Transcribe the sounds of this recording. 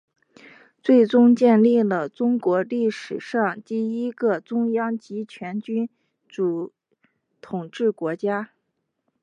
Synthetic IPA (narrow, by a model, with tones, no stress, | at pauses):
t͡swe˥˩ɪʈ͡ʂʊ˥ŋt͡ɕjɛ˥˧nli˥˩lə˩ʈ͡ʂʊ˥ŋkwɔ˧˥li˥˩ʂɻ̩˨˩ʂɑ˥˧ŋt̪i˥˩i˥ɡə˧ʈ͡ʂʊ˥ŋjɑ˥ŋt͡ɕi˧˥t͡ɕʰɥɛ˧˥nt͡ɕy˥n | ʈ͡ʂu˧˩ | t̪ʰʊ˨˩ŋʈ͡ʂɻ̩˥˩kwɔ˧˥t͡ɕja˥